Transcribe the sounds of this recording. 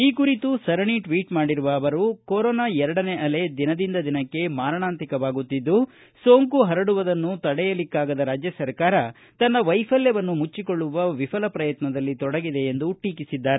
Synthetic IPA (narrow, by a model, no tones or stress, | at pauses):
iːkuɾit̪usɐɾɐɳiʈʋiːʈmaːɽiɾuʋɐːʋɐɾukoːɾɔːnaːɛɾɐɽɐneʔɐle̞d̪inɐd̪ind̪ɐd̪inɐkːe̞maːɾɐɳaːnt̪ɾikɐʋaːɡut̪ːid̪ːu | soːŋkuɦɐɾɐɽuʋɐd̪ɐnːut̪ɐɽɛjɐlikːaːɡɐd̪ɐɾaːd͡ʒjɐsɐɾkaːɾɐ | t̪ɐnːɐʋɐjpʰɐljɐʋɐnːumut͡ʃːikoɭːuʋɐʋipʰɐlɐpɾɐjɐt̪nɐd̪ɐlːit̪ɔɽɐɡid̪e̞ːnd̪uʈiːkisid̪ːaːɾe